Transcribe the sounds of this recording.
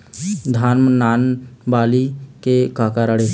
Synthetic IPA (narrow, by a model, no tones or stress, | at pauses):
d̪ʱaːnmənaːnbaːlikekaːkaɾəɽe